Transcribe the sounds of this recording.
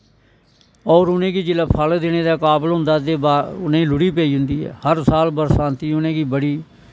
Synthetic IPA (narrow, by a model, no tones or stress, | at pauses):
ɔːɾʊnẽːɡiːd͡ʒɪlaːpʰəld̪eːneːd̪aːkaːbəlɦʊ̃nd̪aːd̪eːbaːʊnẽːlʊɽiːpɛiːɦʊnd̪iːɦɛ̰ːhəɾsaːlbəɾsãːnt̪iːʊnẽːɡiːbəɽiː